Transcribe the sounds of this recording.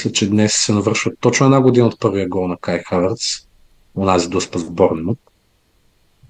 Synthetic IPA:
islʲət͡ʃɛd̪nɛsːɛnɐvɤɾʃvət̪ɔt͡ʃnʊɛd̪naɡod̪inəot̪̚pɤɾvijəɡɔnɐkajxavɐɾt̪s | onazid̪ospəzbɔɾnmət̪̚

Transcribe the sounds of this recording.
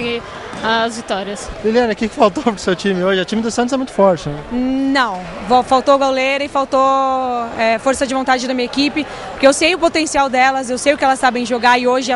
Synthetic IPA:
ɐzvit̪ɔɾiɐsviliɐ̃nɐkɪkɪ̥fawt̪opɾʊ̥sewt͡ʃĩmɪoʒɪɛt͡ʃĩmɪd̪ʊsɐ̃t̪ʊzɛmũj̃t̪ʊ̥fɔɾt͡ʃɪnɛnɐ̃w̃vofawt̪oɡawlejɾɐɪfawt̪o | ɛfoɾsɐd͡ʒɪvõt̪ad͡ʒɪd̪ɐmĩɲɐekipɪ | poɾkeewsejʊpot̪ẽsiawd̪ɛlɐzewsejʊkɪɛlɐsːabẽj̃ʒoɡaɪoʒɪɛ

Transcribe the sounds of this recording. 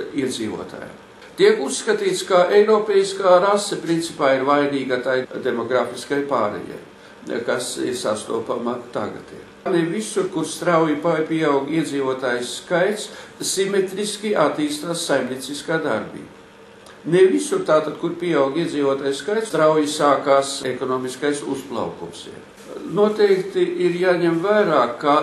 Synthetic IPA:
iɛd̪ziːvṵɔt̪ʰa̰ːja̰m | t̪ʲiɛkusːkat̪iːt̪skaʔejɾɔːpʲeːjiskaːɾasɛpɾint̪sipaːiɾvajniːɡat̪ajd̪emɔɡɾaːfiskajpaːɾḛja̰j | kasḭɾsast̪ṵɔpamat̪a̰ɡa̰t̪ḭː | nevisuɾkuɾst̪ɾawjipajpʲiɛawɡʲiɛd̪ziːvuɔt̪aːjsːkajt̪ssimet̪ɾiskʲiʔat̪iːst̪aːsːajmnʲiɛt̪siskaːd̪aɾbḭːb | nevisuɾt̪aːt̪ad̪̥kuɾpʲiɛawɡiɛd̪ziːvuɔt̪aːjskajt̪st̪ɾawjisaːkaːsekɔnoːmiskajsṵsplˠa̰wkumsɛ̰ | nuɔt̪ɛjkt̪iʔiɾjaːɲɛmvaːɾaːkːa

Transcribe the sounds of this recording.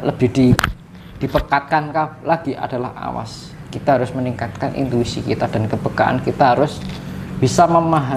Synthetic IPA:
ləb̥ɪhd̥i | d̥ipəkat̪̚kankalaɡ̥iʔa̰d̥a̤laha̰wa̰s | kit̪aɦaɾʊsməniŋkat̪̚kanʔḭnt̪uisikḭt̪ad̥a̤nkəb̥əkaʔa̰nkit̪aɦaɾʊsb̥isaməmaɦa

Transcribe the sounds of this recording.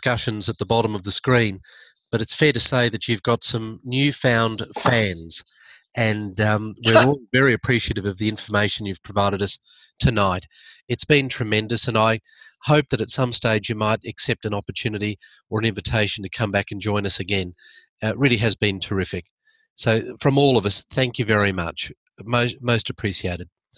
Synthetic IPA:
skʌʃɨ̃nzət̪̚ðəbɑɾə̃mʌvðəskɹĩn | b̥ʌɾɨtsfɛɹɾɨseɪðɨt͡ʃʉvɡɑtsʌ̃mnjʉfãʊ̃nd̥fæ̃nz̥ | ɨ̃nwɪ˞ɔvɛɹiɨpʰɹ̥iʃiɪɾɨvʌvðiɪ̃ɱfə˞meɪʃɨ̃n̩jʉv̥pʰɹ̥əvaɪɾɨɾʌs | tʰɨnaɪɾ | ɨtsb̥ɨ̃ntʰɹ̥ɨmɛ̃ndɨsɨ̃naɪ | hoʊp̚ðɨɾɨtsʌ̃msteɪd͡ʒjɨmaɪɾɨksɛp̚tɨ̃nɑpə˞tʰʉnɨɾi | ə˞ɨ̃nɪ̃ɱvɨtʰeɪʃn̩tʰɨkʰʌ̃mbækɨ̃n̩d͡ʒɔ̃ɪ̃nʌsɨɡɛ̃n | ɹɪlˠiɨzbɨ̃ntʰə˞ɪfɨk̚ | soʊfɹʌ̃mɔlˠʌvʌsθæ̃ŋkjɨvɛɹimʌ̰t͡ʃmoʊst̚moʊstɨpʰɹ̥iʃieɪɾɨd̥̚

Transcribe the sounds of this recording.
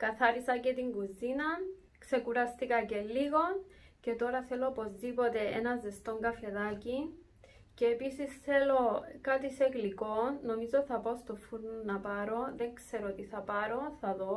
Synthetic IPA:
kɐθɐɾisɐce̞t̪iŋɡuzinɐ | kse̞kuɾɐst̪ikɐce̞liɣo̞ | ce̞t̪o̞ɾɐθe̞lo̞po̞zðipo̞t̪e̞ḛnɐze̞st̪o̞ŋɡɐfe̞ðaci | ceːpisisθe̞lo̞kat̪iseɣliko̞nːo̞mizoθɐpaost̪ofuɾnunɐpɐɾo̞ðe̞ŋkse̞ɾot̪iθɐpɐɾo̞θɐðo̞

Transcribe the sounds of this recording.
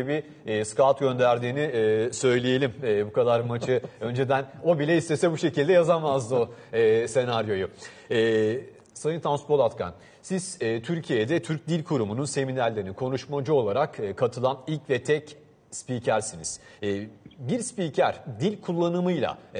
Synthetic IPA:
ibiː | skalt̪ɟø̞nd̪æɾd̪iːnisø̞jlʲeje̞lʲimɛːbukʰad̪aɾmat͡ʃʰɯø̞nd͡ʒed̪æno̞bilʲɛist̪e̞sɛbuʃe̞cʰilʲd̪ɛjazamazd̪ɯoɛːse̞naɾjo̞ju | ɛː | sajɯnt̪ʰanspo̞lˠat̪kʰa̰n | siz̥ɛːt̪ʰyɾcʰijɛd̪ɛt̪ʰyɾc̚d̪ilʲkʰuɾumununse̞minæɾlːʲeɾinikʰo̞nuʃmad͡ʒuo̞lˠaɾakɯkʰːat̪ʰɯlˠanilʲcvɛt̪ʰɛc | spiːcʰæɾsinḭz̥ | ɛːbiɾspiːcʰæɾ̥d̪ilʲkʰulˠːanɯmɯjlˠa̰

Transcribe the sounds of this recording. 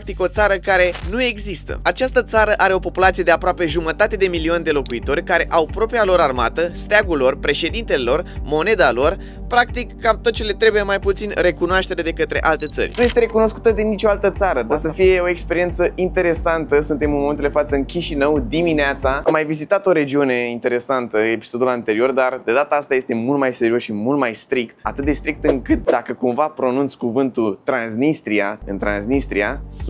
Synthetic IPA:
k̚t̪iko̞t̪saɾəkaɾe̞nue̞ɡzist̪ə̰at͡ʃast̪ət̪saɾəʔaɾeo̞po̞pulat̪sijed̪e̞apɾoape̞ʒumət̪at̪e̞d̪e̞milio̞nʲd̪e̞lo̞kuit̪o̞rʲkaɾe̞ʔawpɾo̞pɾialo̞ɾarma̰t̪əst̪eaɡulo̞rpɾe̞ʃe̞d̪int̪e̞le̞lo̞rmo̞ne̞d̪alo̞r | pɾakt̪ikːamt̪o̞t̪̚t͡ʃe̞le̞t̪ɾe̞buje̞majput̪sinre̞kunoaʃt̪e̞ɾe̞d̪e̞kət̪ɾe̞̰ʔalt̪e̞t̪sə̰rʲnuje̞st̪e̞ɾe̞kuno̞sku̥t̪əd̪enːit͡ʃo̞alt̪ət̪saɾəd̪asəfije̞o̞ekspe̞ɾie̞nt̪səint̪e̞ɾe̞sant̪əsunt̪e̞mɨnmomet̪eld̪efat̪səɨnkʲiʃinəwd̪imineat̪saa̰mːajvizit̪at̪o̞ɾe̞d͡ʒiune̞int̪e̞ɾe̞sant̪əe̞pi̥so̞d̪ulant̪e̞ɾio̞rd̪ard̪e̞d̪at̪aast̪aje̞st̪e̞mult̪majse̞ɾiosʃimult̪majst̪ɾikt̪a̰t̪ɨt̪̚d̪e̞st̪ɾik̚t̪ɨŋkɨt̪̚d̪akəkumvapɾo̞nunt̪sʲkuvɨnt̪ult̪ɾansnist̪ɾiaɨ̰nt̪ɾa̰nsnist̪ɾia̰s

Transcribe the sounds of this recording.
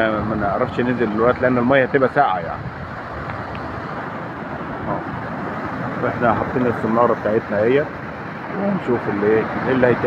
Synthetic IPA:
mænʔʕɑɾˤɑfʃnenzeldelwæʔt̪leʔænːelmæjːhæt̪ebʔæsaːʕa̰ja̰ʕni | ʔæː | wʔeħnæħɑd̪ˤːiːnæsemːɑːɾˤɑbet̪aːʕet̪næhejːæ | weænʃuːfelːeʔelːæhæjt̪

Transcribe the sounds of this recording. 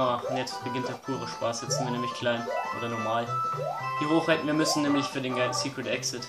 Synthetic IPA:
aːʊntjɛt͡st̚b̥əɡɪntd̥eːɐpʰuːʁəʃpaːsjɛtz̥ɪntviɐnɛːmlɪçkʰl̥aɪnʔo̰ːdɐnɔɐmaːlv̥iːʁoːxhaɪtn̩viːɐmʏsn̩nɛːmlɪçfyːɐɾeːnɡasiːkʁ̥ətɛksɪt

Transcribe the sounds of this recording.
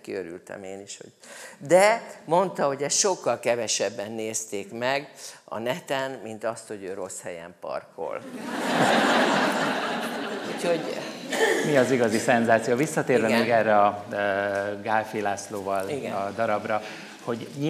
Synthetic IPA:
kiøɾy̰lt̪ɛ̰meːniʃho̰̥ | d̪ɛmo̞nt̪ɒɦo̞ɟɛst̪ʃo̞kːɒlkɛvɛʃɛbːɛnːeːst̪eːkmɛɡɒ̰nɛt̪ɛnmint̪ɒst̪ho̞ɟøːɾo̞shɛjɛ̰mpɒ̰rkʰo̞̰l | uːcho̞ɟ | miɒziɡɒzisɛnzaːt̪sijovisːɒt̪eːrvɛmeːɡɛrːɛɒ | ɡaːlfiːlaːsloːvɒliɡɛd̪ɒɾɒbrɒ | ho̞ɟɲi

